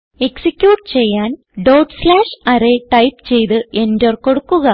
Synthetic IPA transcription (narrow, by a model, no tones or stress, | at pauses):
e̞ksikʲːjuːʈːɨt͡ɕe̞jːaːn | ɖoːʈslaːʂɐɾeʈɐjpt͡ɕe̞jt̪ɨe̞ndorko̞ɽukːuɣɐ